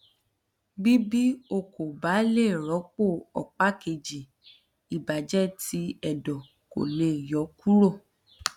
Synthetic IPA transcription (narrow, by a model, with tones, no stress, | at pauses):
bi˦bi˦o˧ko˨ba˨˦le˦˨ɾɔ˨˦k͡po˦˨ɔ˨k͡pa˦ke˧˨d͡ʒi˨ | i˨ba˨d͡ʒɛ˦ti˧˦ɛ˦˨dɔ˨ | ko̰˨le˨jɔ˨˦ku˦ɾo˦˨